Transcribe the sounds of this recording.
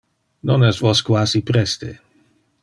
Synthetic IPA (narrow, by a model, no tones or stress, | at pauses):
nonɛst̪voskwaːsipɾɛst̪ḛ